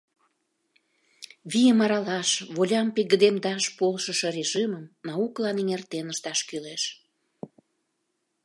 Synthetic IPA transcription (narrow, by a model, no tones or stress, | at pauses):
βijəmɑɾɑlɑʃβolʲɑmpeɣəd̪emd̪ɑʃpolʃəʃorʲeʒiməmnɑuklɑniŋert̪enəʃt̪ɑʃkyleʃ